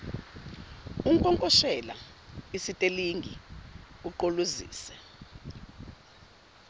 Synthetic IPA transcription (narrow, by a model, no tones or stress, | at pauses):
uŋkʼɔŋkʼɔʃɛla̰isitʼeliŋɡʱi | uǃoluzḭːsɛ